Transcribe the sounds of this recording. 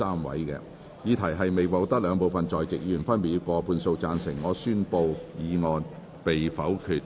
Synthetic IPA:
aː˥mwɐ̰˨˥jkɛ̰ː˧ | jiː˨˧t̪ʰɐ˨˩jɦɐ˨jme˨jwo˨˧wt̪ɐ˥k̚lœː˨˧ŋpo˨wfɐ˨nt͡sɔː˨jt͡sɪ˨k̚jiː˧˨˩fɐ˥npi˨˧kɔː˧pʰuː˧nso˧wt͡saː˧nsɪ˨˩ŋːɔː˨˧syː˥npo˧wjiː˨˧ŋɔː˨˧n | pe˨jfɐ˨˥wkʰyː˨t̚

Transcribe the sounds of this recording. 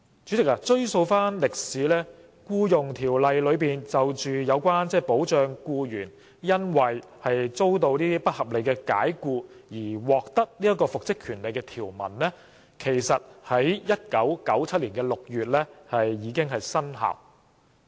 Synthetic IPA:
t͡ʃyː˨˥t͡sɪ˨k̚a˧t͡ʃɵ˥ɥso˧wfaː˥nlɪ˨k̚siː˨˥lɛː˥ | kuː˧jʊ˨ŋt̪ʰiː˨˩wlɐ˨jlɵ˨˧ɥpiː˨nt͡sɐ˨wt͡ʃyː˨jɐ˨˧wkʷwaː˥nt͡sɛː˥˩po˨˥wt͡ʃœː˧ŋkuː˧jyː˨˩n | jɐ˥nwɐ˨j | hɐ˨jt͡so˥wt̪o˧wniː˥t̪iː˥pɐ˥t̚hɐ˨p̚le˨˧jkɛː˧ka̰ː˨˥jkuː˧jiː˨˩wɔː˨k̚t̪ɐ˥k̚liː˥jɐ˥t̚kːɔː˧fʊ˨k̚t͡sɪ˥kʰyː˨˩nle˨˧jkɛː˧t̪ʰiː˨˩wmɐ̰˨˩nlɛ˥ | kʰe˨˩jsɐ˨t̚hɐ˨˥jjɐ˥t̚kɐ˨˥wkɐ˨˥wt͡sʰɐ˥t̚liː˨˩nkɛː˧lʊ˨k̚jyː˨t̚lɛː˥hɐ˨jːiː˨˧˥kɪ˥ŋɦɐ˨jsɐ˥nha̰ː˨w

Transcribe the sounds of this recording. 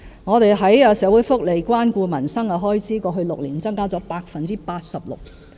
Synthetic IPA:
ŋɔː˨˧t̪e˨jɦɐ˨˥jɐː˧sɛː˨˥wuː˨˥jfʊ˥k̚le˨˩jkʷwaː˥nkʷuː˧mɐ˨˩nsɐ˥ŋɐ˧ɦɔː˥jt͡siː˨˥kɔː˧ɦɵ˧ɥlʊ˨k̚liː˨˩nt͡sɐ˥ŋkaː˥t͡sɔ˨˥paː˧k̚fɐ˨nt͡siː˥paː˧t̚sɐ˨p̚lʊ̰˨k̚

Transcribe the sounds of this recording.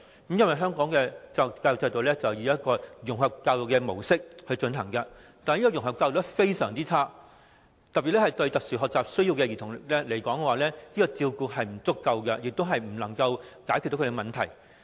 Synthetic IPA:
kmjɐ˥nwɐ˨jɦœː˥ŋkɔː˨˥ŋkɛ˧t͡sɐ˧kaː˧jʊ˨˩t͡sɐ˧t̪o˨˧wlɛː˥t͡sɐ˨˩wjiː˨˧jɐ˥t̚kɔː˧jʊ˨˩ŋɦɐ˨p̚kːaː˧wjʊ˨kːɛː˧mo˨˩wsɪ˥k̚hɵ˧ɥt͡ʃɵ˧nɦɐ˨˩ŋkɐ˧ | t̪aː˨n˨jiː˥kɔː˧jʊ˨˩ŋɦɐ˨˩pkaː˧wjʊ˨˩wɛ˥fe˥jsœː˨˩ŋt͡siː˥t͡sʰaː˥ | t̪ɐ˨pːi˨˩lɛ˥ɐ˨jt̪ɵ˧ɥt̪ɐ˨k̚syː˨˩ɦɔː˨k̚t͡saː˨p̚sɵ˥ɥjiː˧wkɛ˧jiː˨t̪ʰʊ˨˩ŋlɛ˥le˨˩jkɔː˨˥ŋkɛ˧waː˨˩lɛː˥niː˥kɔː˧t͡siː˧wkuː˧ɦɐ˨jm̩˨˩t͡sʊ˥k̚kːɐ˧wkɛ˧jɪ˨k̚t̪o˥wɦɐ˨jm̩˨˩lɐ˨˩ŋkɐ˧wkaː˨˥ky˨t̪ːo˧˥˧e˨˧mɐ˨nt̪ʰɐ˨˩j

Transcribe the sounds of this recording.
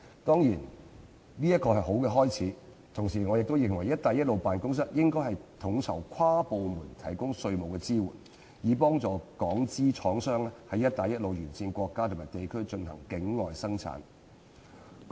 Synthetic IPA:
t̪ɔː˥ŋjiː˨˩n | niː˥jɐ˥t̚kɔː˧hɐ˨jɦo˨˥wkɛ˧ɦɔː˥jt͡sʰiː˨˥ | t̪ʰʊ˨˩ŋsiː˨˩ŋɔː˨˧jɪ˨k̚t̪o˥wjɪ˨ŋwɐ˨˩jːɐ˥t̚t̪aː˨˧jɐ˥t̚lo˨wpaː˨nkʊ˥ŋs̬ɐ˥t̚jɪ˥ŋkɔː˥jhɐ˨jt̪ʰʊ˨˥ŋt͡sʰɐ̰˨˩wkʷʰwaː˥po˨wmuː˨˩nt̪ʰɐ˨˩jkʊ˥ŋsɵ˧ɥmo˨wkɛː˧t͡siː˥wṵː˨˩n | jiː˨˧pɔː˥ŋt͡sɔː˨˧kɔː˨˥ŋt͡siː˥t͡ʃʰɔː˨˥ŋsœː˥ŋlɛ˥hɐ˨˧jːɐ˥t̚t̪aː˨˧jɐ˥t̚lo˨wjyː˨˩nsiː˧nkʷɔː˧kːaː˥t̪ʰʊ˨˩maː˨˩jt̪e˨jkʰɵ˥ɥt͡ʃɵ˧nhɐ˨˩ŋkɪ˨˥ŋŋɔː˨jsɐ˥ŋt͡sʰa̰ː˨˥n

